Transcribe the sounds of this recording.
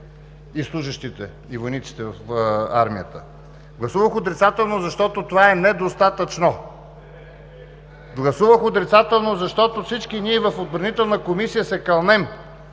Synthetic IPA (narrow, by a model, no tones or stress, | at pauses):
islˠuʒəʃt̪it̪ɛ | ivojnit̪si̥t̪ɛvɐfa̰ɾmijət̪ə | ɡlˠɐsuvəxod̪ɾit̪sat̪ɛlˠnozɐʃt̪ɔt̪ot̪ovaɛnɛd̪ost̪at̪ət͡ʃno | ɡlˠɐsuvəxot̪ɾit̪sat̪ɛlˠnozɐʃt̪ɔt̪ofsit͡ʃkiniɛvɐfod̪̚bɾɐnit̪ɛlˠnəkomisijəsɛkɐlˠnɛm